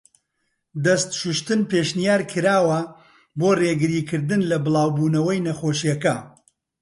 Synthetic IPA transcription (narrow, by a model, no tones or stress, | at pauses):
d̪ɐst̪ʃuʃt̪ɨnpeːʃnijaːɾkʰɨɾaːwɐ | boːreːɡɨɾiːkʰɨɾd̪ɨnlɐbɨlˠɑːwbuːnɐwɐjnɐxoːʃijɐkɐ